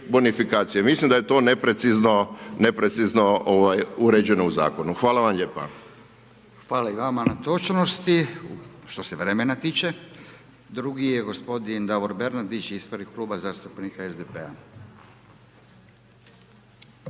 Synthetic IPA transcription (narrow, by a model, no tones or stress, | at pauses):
bonifikaːt̪sijemislimd̪ajet̪o̞nepɾet̪siznonepɾet̪siznooʋajuɾed͡ʑe̞nouza̰ːko̞nuxʋaːlaʋamʎeːpa̰ | xʋaːlaiʋamanat̪o̞t͡ʃno̞st̪i | ʃt̪o̞se̞ʋɾeme̞nat̪iːt͡ʃe̞ | d̪ɾuɡijeɡo̞spo̞d̪ind̪aʋoɾbe̞ɾnad̪it͡ʃizboɾnikkluːbazaːst̪upnikaezd̪epea̰